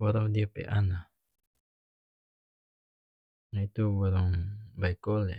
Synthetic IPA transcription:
bɔɾɔŋdiopḛʔana | nait̪ubɔɾɔŋbaikole

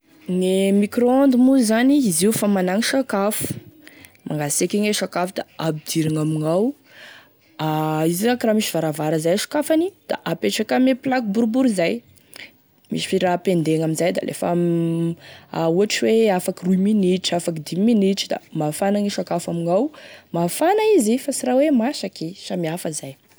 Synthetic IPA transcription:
ŋemikroand̪imuzaniiziufamanaŋiʃakafu̥ | maŋɡasekʲiŋeʃakafud̪aabid̪̥iɾaŋamiŋaw | aiziɾakramiʃivaɾavaɾəzajʃḁkafanid̪̥a̰ʔapeʈ͡ʂakameplak̚buɾbuɾizaj | mḭʃi̥fiɾapend̪eŋamizajd̪a̰lʔḛf | auaʈ͡ʂiweafakiruminiʈ͡ʂafakid̪iminiʈ͡ʂid̪a̰mafanaŋeʃakafamiŋawmafanaizifasiɾawemaʃakiʃamiafəzaj

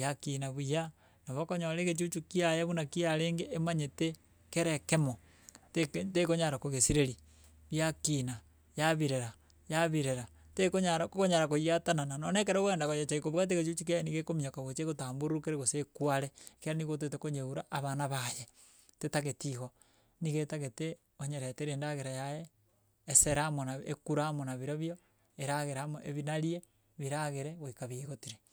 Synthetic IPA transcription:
jakinaβwuja | naβokoɲoɾeɣet͡ʃut͡ʃukiajeβunakiaɾeːŋɡeʔːmaɲete | keɾekemo | tetekoɲaɾakoɣesiɾeɾi | βjakina | jaβiɾeɾa | jaβiɾeɾa | tekoɲaɾakkoɲaɾakojiatanananonek̬eɾaɣeːndakojat͡ʃaikoβwɣat̬eɣet͡ʃut͡ʃukiajenikekomiakaɣet͡ʃeɣotaːmbuɾukeɾeɣosekwaɾekeɾaniɣot̬etekoɲeuɾaʔaβanaβaje | tetaɣetiɣo | niɣetaɣete | oɲeɾeteɾeːndaɣeɾajajeː | seɾamonaḛkuɾaːmonaβiɾaβjo | eɾaɣeɾamoʔeβinaɾie | βiɾaɣeɾeɣoikaβieɣotiɾe

